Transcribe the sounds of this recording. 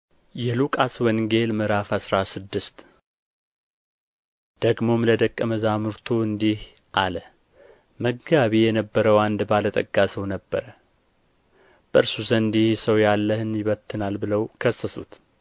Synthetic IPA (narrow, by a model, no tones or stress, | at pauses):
jɛlukʼaswənɡe̞lmɨɾafasɾasɨd̪ːɨst̪ | d̪̥əɡmo̞mləd̪əkʼːəməzamɨɾt̪ʰoɨnd̪ih | ʔalə | məɡɡaβijɛnəbːəɾəwand̪balət̪ʼəɡʼːasəwnəbːəɾə | b̥əʔɨɾsuzənd̪ihsəwjalːəhɨnjɪβət̪ʰːɨnalbɨləwkʰəsːəsṵt̪